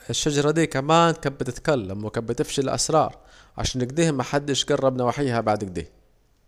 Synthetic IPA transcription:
ɪʃːad͡ʒɑɾˤɑd̪iːkamaːnkabɪt̪ɪt̪kalːamwɪkabɪt̪ɪfʃilʔa̰sɾˤɑ̰ːɾˤ | ʕa̰ʃaːnːɪɡd̪iːhmaħad̪ːɪʃɡɑrˤːɑbnawaħiːhabaʕd̪ɪɡ̚d̪ḭː

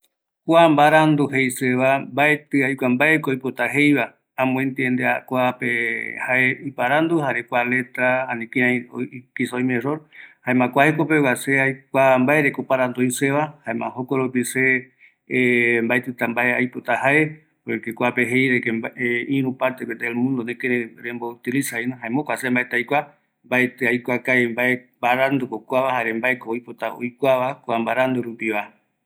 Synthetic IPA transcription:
kʷambaɾand̪uɦejseβambaet̪ɨajkʷambaekoːjpot̪aɦejβa | ãmũẽnt̪iend̪ea̰kʷapehaeipaɾand̪uhaɾekʷale̞t̪ɾaanĩkiakisaojmẽsoɾhaemãkʷahekopewaseajkʷambaeɾekopaɾãnd̪oojseβahaemã̰hokoɾopise | mbaet̪ɨt̪ambaeajpot̪ahae | oekekʷapeɦejɾekeeĩɾũpaɾt̪eket̪eelmũnd̪onẽkeɾeɾembout̪ilisainõɦaemõkʷasembaet̪eajkʷa | mbaet̪eajkʷakaembaembaɾand̪ukokʷaβahaɾembaekoojpot̪ao̰jkʷaβakoambaɾand̪uɾupiβa

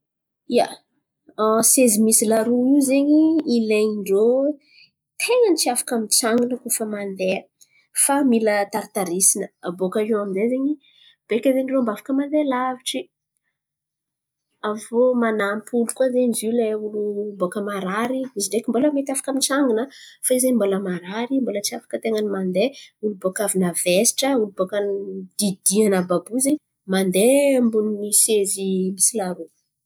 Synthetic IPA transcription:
ija̰ | sezimisilaɾuizeɲiːleɲiɳɖ͡ʐo | t̪ʰeŋanit͡siafḁkamit͡saŋunəkufəmand̪eə | familət̪aɾit̪aɾisinəabokəiwaminzezeɲi | b̥ekʲəzeɳɖ͡ʐombafḁkəmand̪elaviʈ͡ʂi | avomanampʰulukwazeɲizileulubokəmaɾaɾiiziɖ͡ʐekʲimboləmet̪ʲafḁkamit͡saŋɡinəfaizeɲmboləmaɾaɾimbolət͡siafḁkət̪eŋənimand̪eulubokavinəvesi̥ʈ͡ʂəulubokand̪̥id̪ianəbabuzeɲ | mand̪embuninisezimisilaɾu

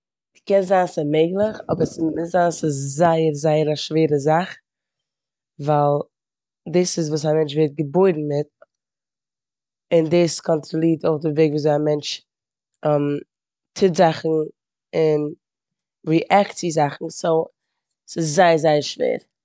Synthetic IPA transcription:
kɛnzaːnsɪmeɪɡlˠəχɔbəɾsmɪzaːnsɪszaɪəɾzaɪəɾaʃveːɾəzaχ | valˠ | dɪsɪs̬vuːs̬amɛnt͡ʃveːɾt̚ɡəboɪdn̩mɪt̚ | ɪndɪːskɔntɾɔlˠiːtoɪχdɪveɪɡvuːzoamɛnt͡ʃ | ɛm | tʰɪtzaχn̩ | ɪn | viʔaktizaχn̩soʊ | sɪszaɪəɾzaɪəɾʃvḛːɾ

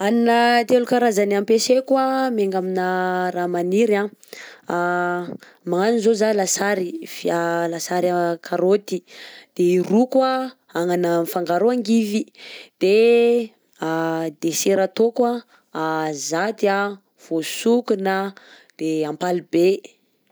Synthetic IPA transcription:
aninət̪elukaɾazanampesekwameŋɡaminəramaniɾã | a | maŋaninzozalasaɾifialasaɾakʰaɾot̪id̪̥eirukwa | aŋanafaŋɡaɾoaŋɡivid̪̥e | ad̪eseɾat̪okwaː | zat̪ia | v̥osukuna | d̪̥eampalibe

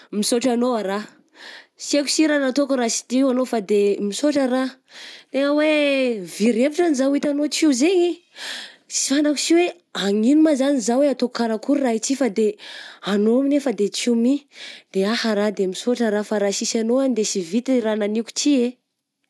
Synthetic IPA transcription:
misoʈ͡ʂanoaɾa | sieku̥siɾanat̪okuɾasi̥t̪iwanofad̪emisoʈ͡ʂəɾa | t̪eŋəweviɾepiʈ͡ʂanizawit̪anot͡siuzeɲi | si̥fanaku̥siwe | aŋinumazanizaweat̪okkaɾakuɾuraɦit͡sifad̪eanoaminefəd̪et͡simid̪̥eahaɾad̪emisoʈ͡ʂəɾafaɾasisanoand̪esivit̪irananiku̥t͡ʃie

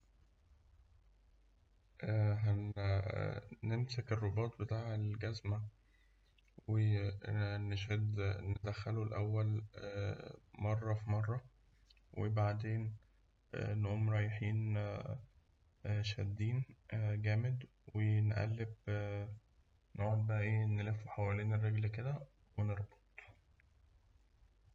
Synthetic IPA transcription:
ʔæɦæ | nemsekerˤːobɑːt̪̚ˤbet̪aːʕelɡæzmæ | we | neʃæd̪ned̪æxːælulʔæwːæl | mɑrˤːɑfimɑrˤːɑ | wʔebaʕd̪eːn | nʔuːmɾˤɑːjeħiːn | ʃæ̰d̪ːiːnɡæːmed̪ | wenʔæ̰lːeb | noʕolbæʔæʔeːnelefːuħawæliːnerːeɡlked̪æ | weneɾˤbe̥t̪ˤ

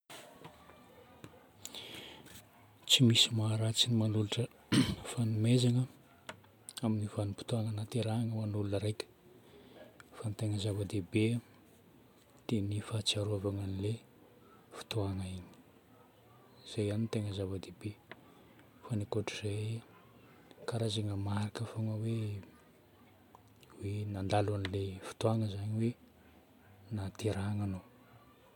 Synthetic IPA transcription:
t͡simisimaɾat͡sinimanuluʈ͡ʂə | fanumezaŋə | aminivanupi̥t̪oananat̪eɾaaŋəmanulunəɾajkʲə̥ | fanit̪eŋəzavəd̪ebe | d̪̥enifat͡siaɾavaŋanile | fi̥t̪oaŋaiɲi̥ | z̥ejaninit̪eŋəzavəd̪ebe | fanekoʈ͡ʂiz̥ej | kaɾazaŋəmaɾakəfoŋəwe | wenand̪alanilefi̥t̪oaŋəzaɲiwe | nat̪eɾaŋano

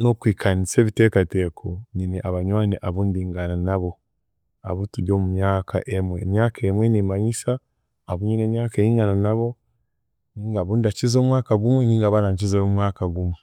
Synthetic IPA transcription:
nokwiːkʰanise̞ːβite̞ːkate̞kʰoɲineʔaβaɲwaːneʔaβuːndiːŋɡananaβo | a̰βutuɟo̞ːmumjɲaːkʰa̰ʔemwe̞mɲaːkaemwenimaɲisaː | βuɲinemɲaːkeiːŋɡananaβo̞ | niːŋɡaβuːndacizoːmwaːkaɡumweniːŋɡaβanaɲc̬izemwaːkaɡumwe

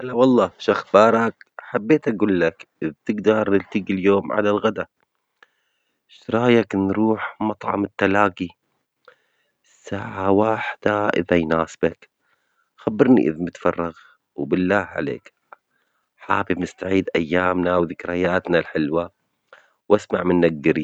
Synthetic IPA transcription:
ʔalawɑlˤːɑːʃaxbɑːɾˤɑkħabːeːt̪ʔaɡuːlːakʔɪðt̪ɪɡd̪ɑɾˤnɪlt̪ɪɡiljoːmʕa̰lalɣad̪a | ʃɾˤɑːjaknɾuːħmɑt̪ˤʕɑ̰mɪt̪ːalaːɡi | sːaːʕawaːħd̪̥aʔɪ̰ðajnaːsbak | xabːɪɾˤnḭʔɪ̰ðmɪt̪fɑrˤːɑɣ | wbɪlːaːhʕa̰lḛːk | ħaːfibmɪst̪aʕiːd̪ʔajːaːmnawðɪkɾajaːt̪nalħɪlwa | wʔasmaʕmɪnːaɡɡːɪɾi

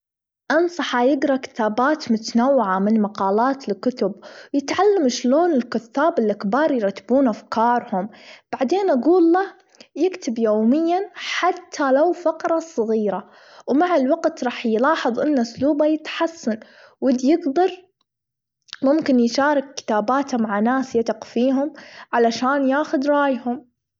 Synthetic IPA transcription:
ʔɑnsˤɑħajɪɡɾˤɑkɪ̥t̪aːbaːt̪mʊt̪anawːɪʕamɪnmɑqɑːlaːt̪lkʊt̪ʊbjɪt̪ʕalːamʃloːnɪlkʊθːaːbɪlʔakbɑːɾˤjɾˤɑt̪ːḁbuːnʔafkɑːɾˤhʊmb̥aʕd̪eːnʔaɡuːlːa | jɪkt̪ɪbjoːmɪjːanħat̪ʰːalawfɑqɾˤɑsˤɣiːɾa | wmaʕɪlwaɡt̪ɾˤɑːħjlɑːħɨðˤʔɪnːaʊsluːbajɪt̪ħasːan | wɪd̪jɪɡd̪ɑɾˤ | mʊmkɪnjʃɑːɾˤɪkːɪ̥t̪aːbaːt̪ʰamaʕanaːsjat̪ɪqfiːɦʊmʕalaʃaːnjaːxʊd̪ɾˤɑːjhʊm

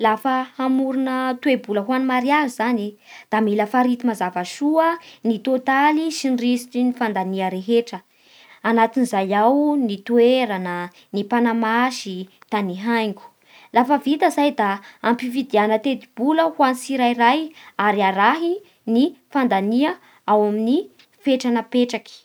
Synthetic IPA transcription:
lafəamuɾunət̪webuləɦwanmaɾiaɾizanid̪̥amiləfaɾit̪imazavaʃuənit̪ot̪alisinrisi̥ʈ͡ʂinifand̪aniəɾeɦeʈ͡ʂə | anat̪inizajawnit̪ueɾanə | nipanamaʃit̪aniɦajŋku̥ | lafəvit̪əzajd̪aampivid̪ianət̪ed̪ib̥uləhwansiɾajrajaɾiaɾaɦi | nifand̪aniə | awamini | feʈ͡ʂanəpeʈ͡ʂaki̥

